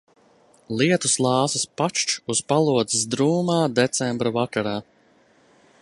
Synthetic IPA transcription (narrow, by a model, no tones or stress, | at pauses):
lˠiɛt̪uslˠɑːsaspat͡ʃt͡ʃuspalˠuɔd̪zisd̪ɾuːmaːd̪ɛt̪sɛmbɾavakaɾaː